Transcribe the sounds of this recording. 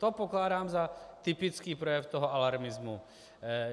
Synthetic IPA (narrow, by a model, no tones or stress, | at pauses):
t̪ɔpɔklaːdaːmzat̪ipit͡skiːpɾɔjɛft̪ɔɦɔalaɾmizmu